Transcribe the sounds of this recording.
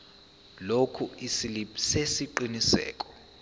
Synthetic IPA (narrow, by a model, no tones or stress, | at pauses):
lokʰuisilipsesiǃinisɛ̰ːkʼɔ̥